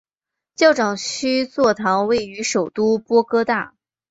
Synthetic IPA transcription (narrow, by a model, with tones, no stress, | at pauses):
t͡ɕjɑ˥˩ʊʈ͡ʂɑ˨˩ŋt͡ɕʰy˥t͡swɔ˥˩t̪ʰɑ˧˥ŋwe˥˩ɪy˧˥ʂo˨˩ʊt̪u˥pwɔ˥kɤ˥t̪a̰˥˩